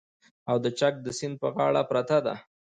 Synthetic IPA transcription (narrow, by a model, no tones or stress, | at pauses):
awd̪ət͡ʃak̚d̪əsɪnd̪̚pəɣɑɽapɾat̪ad̪a̰